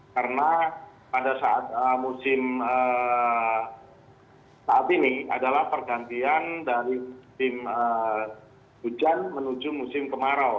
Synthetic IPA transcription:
karəna | padasaʔat̪̚əmusɪmə | saat̪inia̰dalahpərɡant̪iandaɾisɪmə | hud͡ʒanmənud͡ʒumusɪmkəmaɾaw

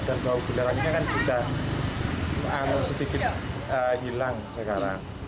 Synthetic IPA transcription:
d̥anbaub̥ilaɾaniɲakanbit̪a | anʊŋsədikɪt̪̚əɦilaŋsəkaɾaŋ

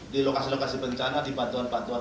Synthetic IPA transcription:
dilokasilokasibəɲt͡ʃanadibant̪uanbant̪ua

